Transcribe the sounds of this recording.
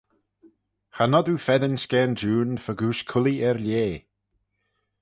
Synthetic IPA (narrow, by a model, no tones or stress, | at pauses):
xanɔd̪uːfɛðənskɛːnd͡ʒuːnfəɡuːʃkʰʊliʔɛɹlʲeː